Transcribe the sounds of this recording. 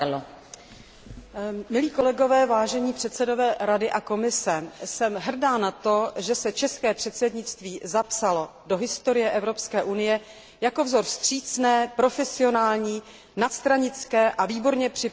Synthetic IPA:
mɪliːko̞lɛɡo̞vɛːvaːʒɛɲiːpr̝̥ɛt̪sɛdo̞vɛːɾadɪʔako̞mɪsɛsɛmɦr̩daːnat̪o̞ʒɛsɛt͡ʃɛskɛːpr̥ɛt̪sɛdɲɪt͡st̪viːzapsalo̞do̞ɦɪst̪o̞ɾɪjɛʔɛvɾo̞pskɛːʔunɪjɛ | jako̞vzo̞ɾst̪r̝̥iːt͡snɛːpɾo̞fɛsɪo̞naːlɲiː | nat̪st̪ɾaɲɪt͡skɛːʔaviːbo̞ɾɲɛpr̝̥ɪ

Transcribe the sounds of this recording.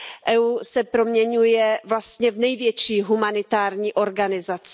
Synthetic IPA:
ʔɛuːsɛpɾomɲɛɲujɛvlast̪ɲɛvnɛjvjɛt͡ʃiːɦumanɪt̪aːɾɲiːʔo̞ɾɡanɪzat͡s

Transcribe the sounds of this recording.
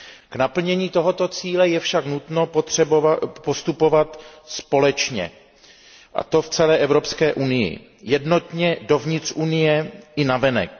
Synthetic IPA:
knapl̩ɲɛɲiːt̪o̞ɦo̞t̪o̞t͡siːlɛjɛfʃaknut̪no̞pot̪r̝̥ɛbovapost̪upo̞vat̪spo̞lɛt͡ʃɲɛ̰ | ʔa̰t̪o̞ft͡sɛlɛːʔɛvɾo̞pskɛːʔunɪjɪ̰ | jɛdno̞t̪ɲɛdo̞vɲɪt̪rʔunɪjɛʔɪnavɛnɛ̰k̚

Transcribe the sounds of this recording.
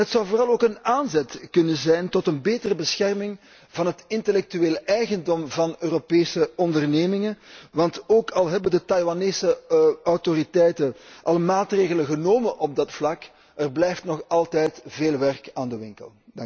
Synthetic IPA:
ɦətsʌwvoːrɑlˠoːkənaːnzɛtkɵnəzɛjntɔtənbeːtərəbəsxɛrmɪŋ | vɑnɦətɪntəlɛk̚tyeːləɛjɣəndɔmvɑnøːropeːsəɔndərneːmɪŋənʋɑntoːkɑlˠɦɛbəndətɑjwaneːsəɔwtoritɛjtəʔɑlˠəmaːtreːɣələɣənoːmənʔɔb̚dɑtflɑk | ərblɛjftnɔxɑlˠtɛjtveːlˠʋɛrkaːndəʋɪŋkə̰lˠŋ

